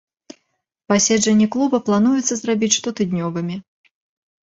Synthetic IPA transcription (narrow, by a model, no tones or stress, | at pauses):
pasʲɛd͡ʐʐɛnʲːɛklˠubɐplˠanujɛt̪sːɐzrabʲit͡sʲʂt̪ɔt̪ɨd̪ʲnʲɔvɨmʲi